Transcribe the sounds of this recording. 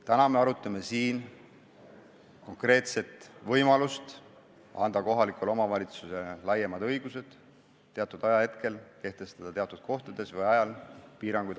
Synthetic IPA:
t̪ænɑme̞ɑɾut̪ːˑɑme̞siːn | ko̞ŋkre̞ːt̪se̞t̪ˑvɤjmɑlust̪ | ɑ̰nd̪ɑko̞ɦɑlikulo̞mɑvɑlʲit̪suse̞lɑjemɑd̪ɤ̞jɡ̥use̞d̪̥ | t̪ːeɑt̪ːˑud̪ɑjɑhe̞t̪ke̞lke̞ht̪e̞st̪ɑd̪̥ɑt̪e̞ɑt̪ːˑud̪̥̚kʰo̞ht̪ɑd̪̥e̞svɤjɑjɑlpiːɾɑŋɡ̥ujd̪

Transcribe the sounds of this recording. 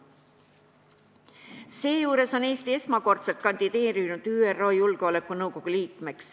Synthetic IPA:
se̞ːjuːɾe̞so̞ne̞ːst̪ie̞smɑko̞rt̪se̞lt̪̚kɑnd̪id̪̥e̞ːɾinud̪̥yːerːo̞ːjulɡ̥eo̞le̞kːˑunɤwko̞ɡ̥uliːkˑme̞ks

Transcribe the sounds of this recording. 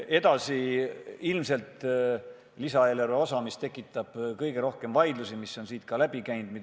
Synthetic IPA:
e̞d̪̥ɑsiilmse̞lt̪ˑ | lisɑeːlerveo̞sɑmist̪e̞kːˑit̪ˑːɑb̥kɤjɡ̥e̞ɾo̞hke̞mvɑjd̪lusimisːo̞nsiːt̪̚kɑlæb̥ikæjnd̪̥mit̪

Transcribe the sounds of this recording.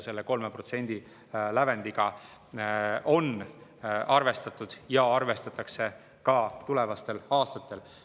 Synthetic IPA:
se̞lːe̞ko̞lmepro̞t̪senʲd̪̥i | læve̞nd̪̥iɡ̥ɑ | ʔo̞n | ɑrve̞st̪ɑt̪ːˑud̪̥jɑɑrve̞st̪ɑt̪ːˑɑkse̞ | kɑt̪ule̞vɑst̪e̞lɑːst̪ɑt̪ːˑe̞l

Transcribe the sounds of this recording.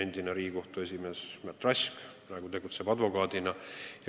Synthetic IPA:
end̪inɑɾiːko̞ht̪ue̞s̬ʲimesmæt̪ːrɑsk | nɑɡut̪e̞ɡut̪se̞b̥ɑd̪vo̞kɑːd̪inɑj

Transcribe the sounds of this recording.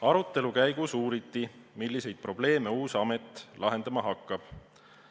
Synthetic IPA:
ɑɾut̪ˑːe̞lukæjɡ̥usuːɾit̪ˑːimilːise̞jd̪̥̚pro̞ble̞ːme̞uːsɑme̞t̪ːˑlʔɑɦe̞nd̪̥ɑmɑɦɑkːɑb̥

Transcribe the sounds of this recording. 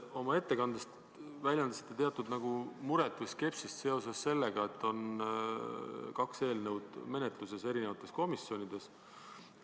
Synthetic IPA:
o̞mɑe̞t̪ːe̞kɑnd̪̥est̪ | vælʲjɑnd̪ɑsi̥t̪ːˑet̪e̞ɑt̪ːˑud̪nɑɡ̥umuɾet̪ˑːiske̞psist̪se̞o̞se̞sːe̞lːeɡ̥ɑe̞t̪ːo̞n | kɑkse̞ːlnəwd̪̥me̞net̪lus̬e̞se̞ɾinevɑt̪ːˑe̞sko̞misːio̞nid̪̥e̞s

